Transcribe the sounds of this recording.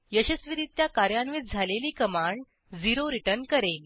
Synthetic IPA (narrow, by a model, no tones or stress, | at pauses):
jəɕəsʋiɾit̪̚ːjakaɾjãnʋiːt̪d͡zʱaleliːkəmaɳ | d͡ziɾoɾiʈəɾnkəɾe